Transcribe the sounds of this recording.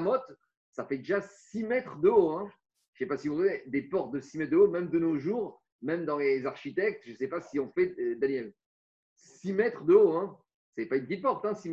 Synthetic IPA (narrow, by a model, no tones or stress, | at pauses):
mɔt̪ | safɛd̪eʒasimɛt̪χd̪əoɛ̥̃ | ʃɛpasivɔ̃vɛd̪epɔʁt̪̚d̪əsimɛt̪̚d̪əomɛmd̪ənoʒuːʁ | mɛmd̪ɑ̃lezaʁʃit̪ɛk̚t̪ʒəsɛpasiɔ̃fɛd̪anjɛl | simɛt̪χd̪əoɛ̃ | sɛpaynpət̪it̪̚pɔʁt̪ɛ̃si